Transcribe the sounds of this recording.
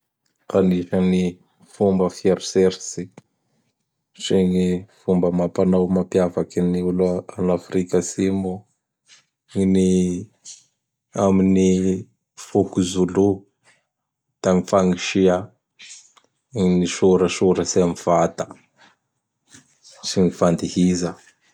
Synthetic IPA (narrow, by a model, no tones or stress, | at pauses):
kaniʃəni | fumbəfieɾuseɾsi | ʈ͡ʂeŋifumbəmapanawmapjavakiniulanafrikəsimu | ini | amini | fukuzulu | t̪aŋifaŋiʃia | niʃuɾəsuɾəsiamivat̪ə̥ | siŋifand̪ihizə